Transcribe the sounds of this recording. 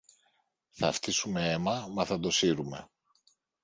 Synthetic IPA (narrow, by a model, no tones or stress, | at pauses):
θɐft̪isume̞emɐmɐθɐd̪o̞siɾume̞̰